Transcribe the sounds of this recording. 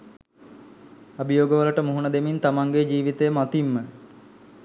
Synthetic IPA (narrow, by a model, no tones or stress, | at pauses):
abijoːɡəʋələʈəmuɦunəd̪emint̪amaŋɡed͡ʒiːʋit̪ejəmat̪imːə